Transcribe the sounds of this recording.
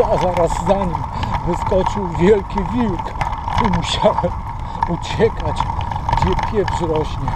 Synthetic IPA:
azaɾazːaɲim | vɘskɔt͡ʂɨwvʲjɛlkʲivʲiwkimuɕawɛm | ut͡ɕɛkat͡ɕɡd͡ʑɛpʲjɛvzɾɔɕɲɛ

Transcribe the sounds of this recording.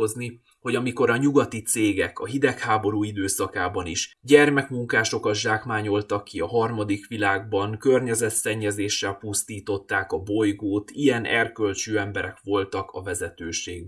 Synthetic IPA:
ozni | ho̞ɟɒmiko̞ɾɒɲuɡɒt̪it̪seːɡɛkɒɦid̪ɛkhaːbo̞ɾuːid̪øːsɒkaːbɒniʃɟɛrmɛkmuŋkaːʃo̞kɒʒaːkmaːɲo̞lt̪ɒkːiɒɦɒrmɒd̪ikʋilaːɡbɒŋkørɲɛzɛt̪sɛɲːɛzeːʃːɛlpust̪iːt̪o̞t̪ːaːkɒbo̞jɡoːt̪ʰijɛnɛrkø̞lt͡ʃøːɛmbɛɾɛkʋo̞lt̪ɒkɒvɛzɛt̪øːʃeːɡ

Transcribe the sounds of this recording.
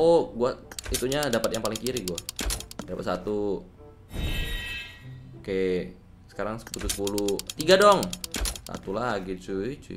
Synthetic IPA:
oɡuait̪uɲadapat̪jaŋpalɪŋkiɾɪhɡuadapat̪sat̪u | ka | sə̥kaɾaŋsə̥put̪usə̥pulut̪iɡadɔŋsa̰t̪ulaɡit͡ʃuit͡ʃu

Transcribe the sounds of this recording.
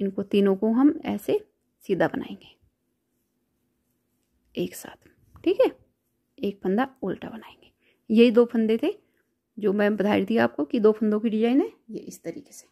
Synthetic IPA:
ɪnkot̪iːnõkõɦɐmɛ̰ːse | siːd̪ʱabɐna̰ːḛ̃ːŋɡeː | eːksa̰ːt̪ʰ | ʈʰiːkɦɛ | eːk̚pʰɐ̃nd̪aoːlʈa̰bɐnaːẽːŋɡeː | jɐɦid̪oːpʰɐ̃nd̪et̪ʰe | d͡ʒoːmɛ̃ːbɐd̪ʰʱaːit̪ʰiaːp̚kokid̪oːpʰə̃nd̪õkiʈid͡ʒaːenejḛʔɪst̪ɐɾḭːke̥se̥

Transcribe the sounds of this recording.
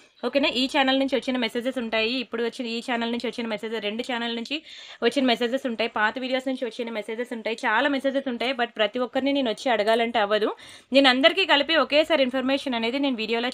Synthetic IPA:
o̞ːkeːnaːʔiːt͡ʃaːnɐlnuɲt͡ʃiʋɐt͡ʃːinɐmeseːd͡ʒɐsuɳʈaːjiːpːuɽuʋɐt͡ʃːinɐiːt͡ʃaːnɐlnuɲt͡ʃiʋɐt͡ʃːinɐmeseːd͡ʒɐɾe̞ɳɖut͡ʃaːnɐlnuɲt͡ʃiʋɐt͡ʃːinɐmese̞ːd͡ʒɐsuɳʈaːjipaːt̪ɐʋiːɽijoːsnuɲt͡ʃiʋɐt͡ʃːinɐmeseːd͡ʒɐsuɳʈaːjit͡ʃaːlaːmese̞ːd͡ʒɐsuɳʈaːjibɐʈ̚pɾɐt̪iʋɔkːɐɾinineːnuʋɐt͡ʃːiɐɽɐɡaːlɐɳʈeɐʋːɐd̪u | ne̞ːnuɐnd̪ɐɾikiːkɐlipiɔkeːsaːɾinpʰɐɾmeːʂɐnɐne̞ːd̪ineːnuʋiːɽijoːloː

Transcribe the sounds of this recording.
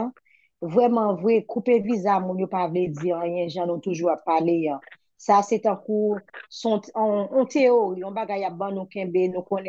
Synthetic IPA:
vʁɛmãvwɛkupevizamũnjopavled͡ziãjɛ̃ʒãnũt̪uʒuapːaleã | saset̪ãkusɔ̃ɔ̃t̪ʰeoʁiɔ̃baɡajːap̚bãnũkɛ̃benũkõnɛ̃

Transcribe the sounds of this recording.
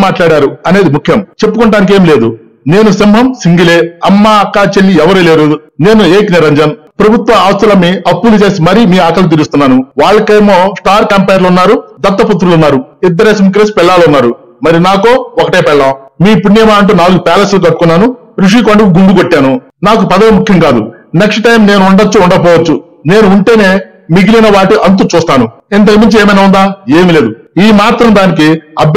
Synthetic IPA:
maːʈlaːɽaːɾuɐne̞ːd̪imukʰːjɐmt͡ʃe̞pːukuɳʈaːnik̬eːmle̞ːd̪u | ne̞ːnusimɦɐmsiŋɡileːɐmːaɐkːaːt͡ʃelːiɛʋɐɾuleːɾune̞ːnueːkniɾɐɲd͡ʒɐn | pɾɐbʱut̪ʋɐaːst̪ɐlɐmːiɐpːulut͡ʃe̞ːsimɐɾimiːaːkɐlut̪̬iɾust̪unːaːnuʋaːɭːɐkɐjmoːsʈaːɾkɐmpɐjɐɾlunːaːɾud̪ɐt̪ːɐput̪ːɾulunːaːɾuid̪ːɐɾeːsimik̬ɾeːsi̥pɛɭːaːlunːaːɾu | mɐɾinaːkoːɔkɐʈeːpɛɭːaːmiːpunːijɐmaːɐɳʈuːnaːluɡupɛːlɐslukɐʈːu̥kunːaːnu | ɾuʂ̬iːkoɳɖikuɡund̪ukoʈːaːnu | naːkupɐd̪ɐʋimukʰjɐŋkaːd̪ṵneksʈʈɐjmne̞ːnuːɳɖɐt͡ʃːuuɳɖɐp̬ɔːʋɐt͡ʃːu | ne̞ːnuːɳʈe̞ːne̞ː | miɡilinɐʋaːʈiʔɐnt̪̬ut͡ʃuːst̪aːnuint̪̬ɐkɐmiɲt͡ʃieːmɐjnaːund̪aːeːmile̞ːd̪uiːmaːt̪ɾɐmd̪aːnik̬iɐ̰b

